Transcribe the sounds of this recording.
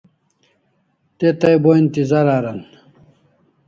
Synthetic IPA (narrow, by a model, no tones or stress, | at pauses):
t̪et̪ɐjboint̪izaɾaːɾɐn